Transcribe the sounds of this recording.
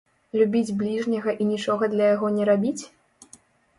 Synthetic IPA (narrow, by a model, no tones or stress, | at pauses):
lʲubʲid͡zʲblʲiʐnʲɐɣɐʔinʲit͡ʂɔɣɐd̪lʲɐjaɣɔnʲɛɾabʲit͡sʲ